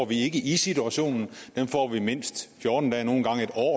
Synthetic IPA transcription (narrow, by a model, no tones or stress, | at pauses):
ɒʋie̝ɡ̥əʔisit͡sʰuæɕo̝̰ːnn̩d̥enfɒ̰ːʋime̝n̰sd̥fjɔːd̥n̩d̥ɛːno̝ːn̩ɡ̥ɑ̈ŋe̝d̥ɒ̰ː